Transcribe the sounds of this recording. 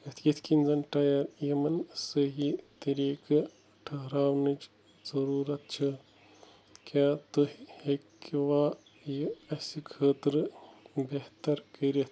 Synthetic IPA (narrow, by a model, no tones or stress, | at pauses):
ɐt̪ʰkɐt̪ʰkinzɐnʈɐjɐɾjɐmɐnsəɦit̪iɾeːkɨ | ʈʰɐɦɾaːwnit͡ʃ | zɐɾuːɾɐt̪̚t͡ʃʰɨ | kaːt̪oɦhekːiʋaː | jiɐsikʰəːt̪ɾɨbeɦt̪ɐɾkɐɾit̪ʰ